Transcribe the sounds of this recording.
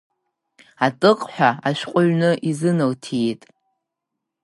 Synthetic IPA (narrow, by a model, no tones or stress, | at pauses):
atʼɨqʼħʷᶣaaʃᶣqʷʼʊʕnɨʔizɨnɨltʰijtʼ